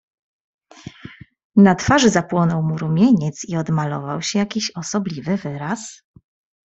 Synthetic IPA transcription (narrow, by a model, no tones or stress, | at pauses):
nat̪faʐɘzapwɔnɔwmuɾumʲjeɲɛt̪siɔd̪malɔ̰vawɕɛjakʲiɕɔsɔblʲivɘvɘɾas